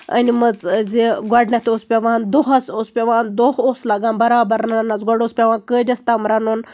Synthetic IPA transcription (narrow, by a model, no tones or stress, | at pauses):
ɐ̰nimɐd͡zd͡zeɡaɖnʲat̪oːspʲaʋãːnd̪oɦɐsospʲaʋaːnd̪oɦoslaɡãnbɐɾaːbɐɾnananat͡sɡaɽospʲaʋãːnkədʲɐst̪aːmɾanoːn